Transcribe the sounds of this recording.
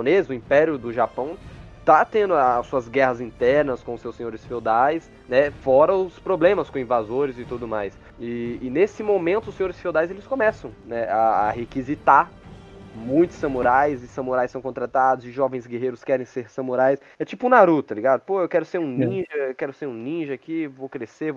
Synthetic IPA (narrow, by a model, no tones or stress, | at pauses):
õnezʊĩpɛɾjʊd̪ʊʒapɐ̃w̃t̪at̪ẽnd̪ʊaːsuɐzɡɛhɐzĩnt̪ɛɾnɐskõʊsewsẽɲoɾɪsfewd̪ajs | nɛfɔɾɐʊspɾoblẽmɐskõĩvazoɾɪzɪt̪ud̪ʊmajs | ɪːnesɪmomẽnt̪ʊsẽɲoɾɪsfewd̪ajzelɪskõmɛsɐ̃w̃nɛa̰ːhekizit̪aɾ | mũj̃t̪ʊ̥sɐmoɾajzɪsɐ̃moɾajsɐ̃w̃kõnt̪ɾat̪ad̪ʊzɪʒɔvẽj̃zɡeɦejɾʊskɛɾẽj̃seɾsɐ̃moɾajs | ɛt͡ʃipʊũnaɾut̪aliɡad̪ʊpoewkɛɾʊseɾũnĩʒɐkɛɾʊseɾũnĩʒɐkivowkɾeseɾv